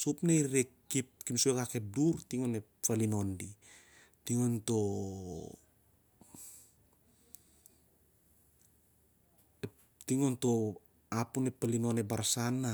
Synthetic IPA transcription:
sopneiɾekːip̚kimsuekake̞p̚duɾtiŋone̞ | falino̞ndi | tiŋonto | e | tiŋonto | apunepːalino̞nebaɾasana

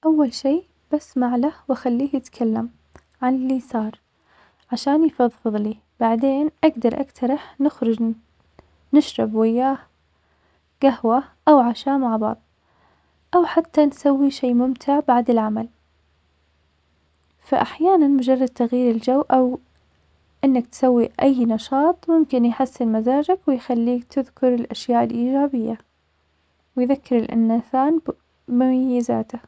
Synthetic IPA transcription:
ʔawːalʃiː | b̥asmaʕlahwaxalːiːhjɪt̪kʰalːam | ʕanliːsˤɑːɾˤ | ʕaʃaːnjfɑðˤfɨðˤliː | b̥aʕd̪eːnʔaɡd̪ɑɾˤʔa̰kt̪ʰɑɾˤɑħnɪxɾʊd͡ʒ | nɪʃɾˤɪbwɪjːaːh | ɡ̥ahwaʔawʕaʃaːmaʕbɑ̰ʕðˤ | ʔawħat̪ʰːansawːiʃeːmʊmt̪ʰɪʕbaʕd̪ɪlʕamal | fa̰ʔaħjaːnanmʊd͡ʒɑrˤːɑd̪̚t̪aɣjiːɾɪld͡ʒawːʔaw | ʔɪnːakt̪sawːiʔajːnɑʃɑːt̪ˤmʊmkɪnjħasːɪnmazaːd͡ʒakwɪjxalːiːkt̪ʰɪðkʊɾɪlʔaʃjaːʔɪlʔiːd͡ʒaːbɪjːa | wɪjðakːɪɾɪlʔɪ̰nːaθaːn | mʊmajːɪza̰ːt̪a

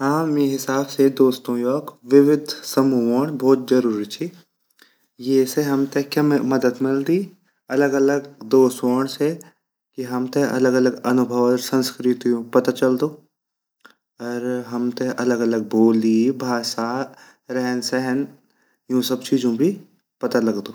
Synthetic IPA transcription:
ɦãːmeːɦɪsaːbsed̪oːst̪õjɔːkʋɪʋɪd̪ʱsɐmuoːɽ̃bʱɔːt̪̚zɐɾuːɾit͡ʃʰi | jeːseɦɐmt̪ekjamɐd̪əd̪mɪld̪iː | ɐləɡɐləɡd̪oːsoːɳ̃se | kiɦɐmt̪eɐ̰ləɡɐləɡɐnʊbʱəʋsɐ̃nskɾɪt̪iũpɐt̪at͡ʃɐld̪oː | ɔːɾɦɐmt̪eʔɐləɡɐləɡ̚boːld̪ibʱaːʃa | ɾɛɦənsɛɦən | jũsɐbt͡ʃiːd͡ʒõbʱi | pɐt̪alɐɡd̪oː

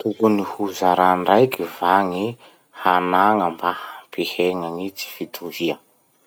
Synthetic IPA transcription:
t̪ukunihuzaɾanɖ͡ʐajkivaŋi | hanaŋəmbahapiheŋaŋit͡si̥fit̪ʰuviə

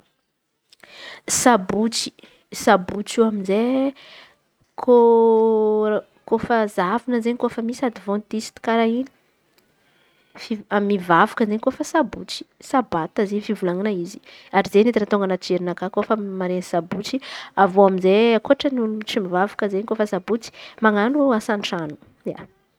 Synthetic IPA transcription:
sabut͡si̥ | sabut͡ʃiaminze | kʰo | kofəzavinəzeɲkofəmisad̪ivõnt̪isi̥t̪i̥kaɾaini̥ | fiamivavakəzeɲkofəsabut͡si̥sabat̪əzefivulaŋinaizi̥aɾizenet̪iɾat̪oŋɡanat͡ʃeɾinakakofəmaɾenisabut͡siavoaminzeakoaʈ͡ʂənuut͡simivavakəzeɲkofəsabut͡si̥maŋanuasaɳʈ͡ʂanu̥ | ja̰

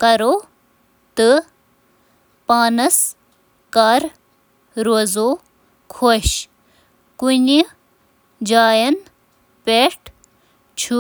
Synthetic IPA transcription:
kɐɾoː | t̪ɨ | paːnɐs | kaːɾ | ɾoːzoː | kʰoːɕ | kuni | d͡ʑaːjɐn | peʈʰ | t͡ʃʰu

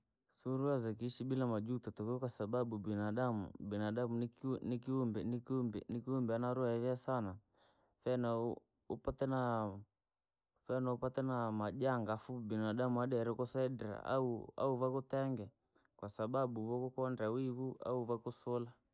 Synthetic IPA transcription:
suɾuazɛk̬iʃiɓilamad͡ʒutɔtɔkɛɔkwasaɓaɓubinaɗamṵbɛnaɗamunnikiumbɛnibɛnikiumbɛanaɾuaɛðɛasana | fɛna | upatɛna | fɛnaupatɛnamaʄaŋɡafubinaɗamuaɗɛɾɛkɔsɛɗɾa̰a̰ua̰uvakutɛŋɡɛ | kwasaɓaɓuβɔkɔkɔndawiβua̰uvakusɔla

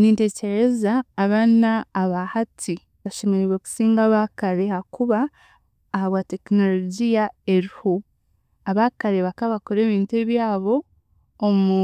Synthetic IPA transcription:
niːnte̞ce̞ɾe̞zaːβanaːβahatʰi | βaʃe̞meɾeɾweku̥siːŋɡaβakaɾehakuβaː | haβwate̞kino̞loɟijae̞ɾiho | aβakaɾe̞βakaβakoɾe̞ːβiːntueβjaːβo̞ː | mu

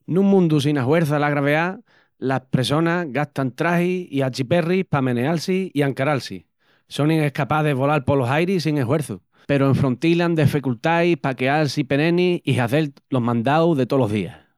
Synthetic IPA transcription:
nũŋmũnd̪us̬inaɦwe̞ɾθalaɣɾaβea | lahpɾe̞so̞naɣat̪ant̪ɾahiiat͡ʃipe̞rihpamẽ̞nealsiiaŋkaɾalsḭ | so̞nĩŋehkapaðeβ̞o̞lalpolo̞ɦajɾis̬iŋe̞ɦwe̞ɾθu | pe̞ɾoeɱfɾo̞nt̪iland̪efekult̪ajpakealsipe̞nẽ̞niiɦaθe̞lt̪lo̞ɦmãnd̪awðe̞t̪o̞lo̞ɦðia̰

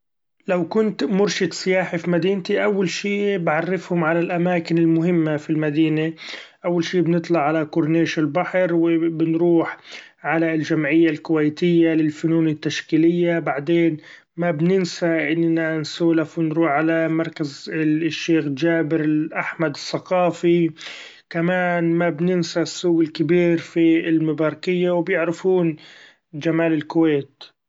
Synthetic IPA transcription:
lawkʊnt̪mʊɾʃɪd̪sˤɪjaːħafimad̪iːnt̪iʔawːalʃiːbʕɑrˤːɪfhʊmʕalalʔamaːkɪnɪlmʊɦɪmːafilmad̪iːnaʔawːalʃiːbnɨt̪ˤlɑʕːalakʊɾneːʃɪlbaħɾwɪbɪnɾuːħʕalald͡ʒamʕɪjːalkʊwajt̪ɪjːalɪlfʊnuːnɪt̪ːaʃkiːlɪjːabaʕd̪eːn | mabnɪnsaʔɪnːansuːlafwɪnɾuːħʕalamɑɾˤkazʃːeːxd͡ʒaːbɪɾɪʔaħmad̪ɪsːaqɑːfi | kamaːnmabnɪnsasːuːɪlkɪbiːɾfiɪlmabaːɾˤkɪjːawɪbjɪʕɾɪfuːn | d͡ʒamaːlɪlkʊweːt̪

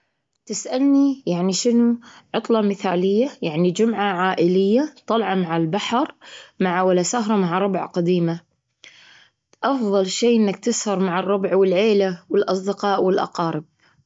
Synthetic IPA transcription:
t̪ɪsʔalnijaʕniʃɪnuʕʊt̪ˤlɑmɪθaːlɪjːajaʕnid͡ʒʊmʕaʕaːʔɪlɪjːat̪ˤːɑlʕɑmaʕalbaħɾˤmaʕawalasaɦɾˤɑmaʕɾˤɑbʕqad̪iːma | ʔɑfðˤɑlʃeːʔɪnːak̚t̪ɪshɑɾˤmaʕɑrˤːʊbʕwɪlʕeːlawɪlʔɑsˤd̪ɪqɑːʔwɪlʔɑ̰qɑːɾɪb̚

